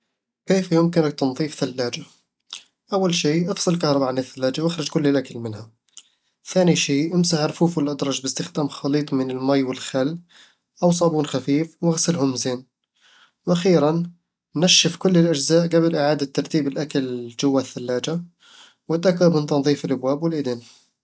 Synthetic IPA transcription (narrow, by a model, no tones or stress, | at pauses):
keːfjʊmkɪnak̚t̪ɪnðˤiːfθalːaːd͡ʒa | ʔawːalʃiːʔɑfsˤɨlkɑhɾˤɑbaʕanɪθːalːaːd͡ʒawʔɪxɾˤɪd͡ʒkʊlːɪlʔakalmɪnha | θaːniʃiːʔɪmsaʕɾˤfuːfwɪlʔad̪ɾˤɑd͡ʒbɪst̪ɪxd̪aːmxɑliːt̪ˤmɪnɪlmajwɪlxalː | ʔaws̬ˤɑːbuːnxafiːfwɪɣsɪlɦʊmzeːn | wʔaxiːɾanː | aʃːɪfkʊlːɪlʔad͡ʒzaːʔɡabɪlʔɪʕaːd̪at̪ːɑɾˤt̪iːbɪlʔakald͡ʒʊwːaθːalːaːd͡ʒa | wɪt̪ʔakamɪnt̪ɑnðˤiːfɪlʔabwaːbwɪlʔɪd̪ɪn